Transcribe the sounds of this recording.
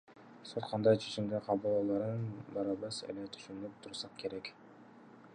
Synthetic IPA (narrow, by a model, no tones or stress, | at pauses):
sot̪qʰɑnd̪ɑjt͡ʃʰe̞t͡ʃimd̪eqʰɑbulˠɑlˠɑɾɯnbɑɾɑbɑsḛlet̪ʰy̥ʃynyp̚t̪ʰuɾsɑqke̞ɾek